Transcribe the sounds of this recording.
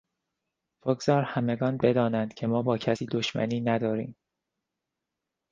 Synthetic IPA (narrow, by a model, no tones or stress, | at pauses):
b̥oɡz̥ɒːɾhæmeɡɒːnbed̪ɒːnænd̪̥cʰe̞mɒːbɒːcʰæsiːd̪oʃmæ̰niːnæd̪ɒːɾiːm